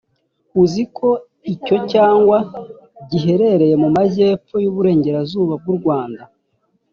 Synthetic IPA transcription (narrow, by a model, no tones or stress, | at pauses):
uzikʰo̞ | ico̞caːŋɡwa | ɟiɦe̞ɾe̞ɾe̞je̞mumaze̞ːpojuːβuɾe̞ːɲɟe̞ɾazuːβab̚ɡuɾɡwaːnda